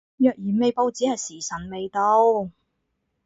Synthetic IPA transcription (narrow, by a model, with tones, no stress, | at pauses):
jœː˨k̚jyː˨˩nme˨˧jpo˧wt͡siː˨˥hɐ˨jsiː˨˩sɐ˨˩nme˨jt̪o˧w